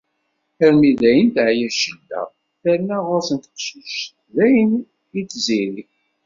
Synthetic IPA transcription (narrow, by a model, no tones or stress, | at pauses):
əɾmiðæjənt̪ʕjæʃəldæ̰ | θæɾnæʁʊɾsənt̪ə̥qʃiʃ | ðæjən | jit͡sːziɾi